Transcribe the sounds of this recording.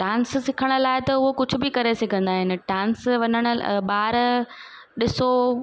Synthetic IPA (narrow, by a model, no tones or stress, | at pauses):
ɖãːnssɪkʰəɽ̃ʊ̆laːɪt̪ɐʊɦokʊd͡ʑʱʊ̆bɪkɐɾesɐɡʱə̃nd̪aːɦɪnɪ̆ɖãːnsʋɐɲəɽ̃ʊ̆ɓaːɾ | ɗɪso